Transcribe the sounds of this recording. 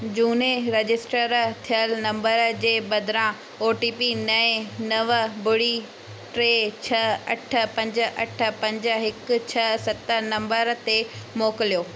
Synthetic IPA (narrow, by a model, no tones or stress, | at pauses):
d͡ʑuːneɾed͡ʑɪsʈəɾt̪ʰijəlnɐ̃mbəɾd͡ʑeːbɐd̪ʱɪɾã | oːʈiːpinɐẽnɐʋbʊɽi | ʈɾeːt͡ɕʰɐɐʈʰə̆pɐ̃ɲd͡ʑə̆ʔɐʈʰə̆pɐ̃ɲd͡ʑəɦɪkʊ̆t͡ɕʰɐsɐt̪ənɐ̃mbəɾt̪emoːkɪlijoː